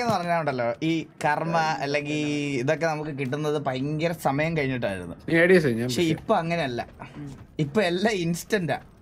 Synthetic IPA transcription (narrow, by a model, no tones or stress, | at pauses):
enːɨpɐrɐɲːaːnuɳɖɐlːo̞ːʔiːkɐrmɐɐlːe̞ŋɡiliðo̞kːe̞nɐmukːɨkiʈ̬ːunːɐðɨpɐjŋɡɐɾɐsɐmɐjɐmkɐɻiɲːiʈ̬ːa̰ːjḭɾunːṵneːɽijɐsɐiɲːaɐʂeipːo̞ːɐŋːɐne̞ɐlːɐ̰ | ipːoːɭelːaːinstɐnda̰ː